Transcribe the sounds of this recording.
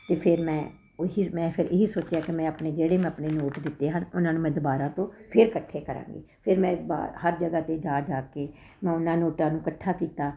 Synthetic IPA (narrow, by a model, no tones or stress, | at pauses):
t̪eːpʰɪɾmɛ̃ː | ɦiːmɛ̃ːpʰɪɾɪɦiːsoːt͡ʃjaːkɪmɛ̃ːəpneːd͡ʒeːɽeːm̃ːəpɳeːnoːʈd̪ɪt̪ːeːɦənʊnãːnũːmɛ̃ːd̪ʊbaːɾãːt̪õːpʰɪɾkəʈʰːeːkəɾã̰ːŋɡḛːpʰɪɾmɛ̃ːba̰ːhəɾd͡ʒəɡaːt̪eːd͡ʒaːd͡ʒaːkeː | mɛ̃ːʊnãːnoːʈãːnũːkəʈʰːaːkiːt̪aː